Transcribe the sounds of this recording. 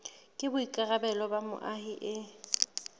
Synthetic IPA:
kʼɪbʊikʼarabɛlɔbamʊ̰ʔahiʔɪ

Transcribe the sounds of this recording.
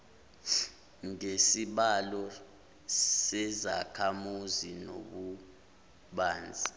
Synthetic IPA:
ŋesiɓalɔ | sɛzakʰamuzino̰ɓu | ɓaːnd͡zʱi

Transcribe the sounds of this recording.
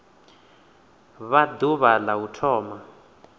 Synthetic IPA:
βad̪uβalautʰɔːma

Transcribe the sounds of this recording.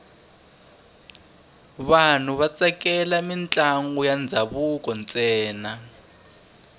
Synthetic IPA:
βan̤uβat͡sɛkɛlamint͡ɬʼaŋɡujand͡zʱaβukɔnt͡sʼɛːna

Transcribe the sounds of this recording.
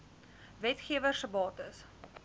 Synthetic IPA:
vɛtχiəvərsəbɑːtəs

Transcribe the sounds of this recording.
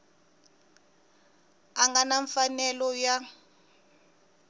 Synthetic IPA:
aŋɡanaɱfanɛlɔja

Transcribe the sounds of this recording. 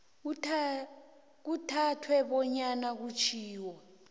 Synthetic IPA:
k̬utʰatʰwɛɓɔɲanak̬ut͡ʃʰiːwɔ

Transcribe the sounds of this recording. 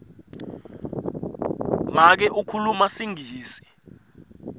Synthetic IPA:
mak̬ɛʔukʰulumasiŋiːsi̥

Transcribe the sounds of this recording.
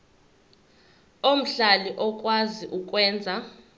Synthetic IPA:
om̩ɬaliʔɔkʼwaziʔukʼwɛːnd͡zʱa

